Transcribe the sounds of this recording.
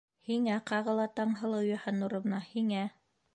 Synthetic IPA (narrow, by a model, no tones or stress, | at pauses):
hiŋæqɑʁɤ̆lˠɑt̪ɑɴɦɤ̆lˠɤwjɑhɑnuɾɤ̆β̆nɑhiŋæ